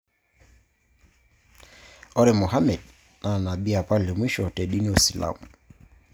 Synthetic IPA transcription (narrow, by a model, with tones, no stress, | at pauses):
ɔ˦ɾɛ˨mu˨ɦa˦mɛ˨d | na˨na˨bi˦a˨pa˦le˨mi˦ʃɔ˨tɛ˨ɗi˦ni˦ɔ˨si˨la̰˨m